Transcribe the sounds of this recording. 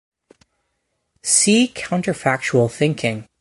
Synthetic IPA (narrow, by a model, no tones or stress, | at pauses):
sikʰãʊ̃ntə˞fæk̚t͡ʃul̩ˠθɪ̃ŋkʰɪ̃ŋ